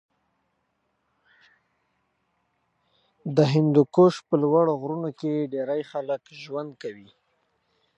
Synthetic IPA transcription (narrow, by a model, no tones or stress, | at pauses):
d̪əɦɪnd̪ukoʃpəlwaɽoɣɾunokeɖeɾajxaləkʒwand̪̚kawi